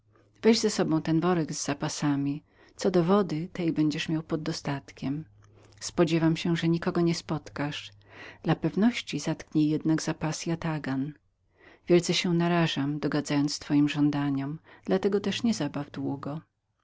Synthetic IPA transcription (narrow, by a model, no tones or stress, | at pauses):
vɛʑzɛsɔbɔ̃w̃t̪ɛnvɔɾɛɡzːapasamʲi | t̪sɔd̪ɔvɔd̪ɘt̪ɛjbɛɲd͡ʑɛʂmʲjawpɔd̪ːɔst̪at̪kʲɛm | spɔd͡ʑɛvamɕɛʐɛɲikɔɡɔɲɛspɔt̪kaʂ | d̪̥lapɛvnɔɕt͡ɕizat̪kɲɛjɛd̪naɡzapasjat̪aɡan | vʲjɛlt̪sɛɕɛnaɾaʐamd̪ɔɡad̪zajɔnt̪st̪fɔjimʐɔnd̪aɲɔmd̪̥lat̪ɛɡɔt̪ɛʂɲɛzabavd̪wuɡɔ